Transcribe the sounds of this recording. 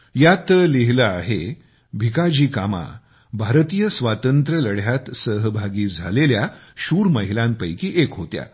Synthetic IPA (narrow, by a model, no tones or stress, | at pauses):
jat̪əleɦləaɦe | bʱikad͡ʑiːkama̰ | bʱaɾt̪iːjəsʋat̪ənt̪ɾələɽ̤jat̪səɦbʱaɡiːd͡zʱaleljaɕuːɾməɦilãmpəjkiːʔekɦot̪ja̰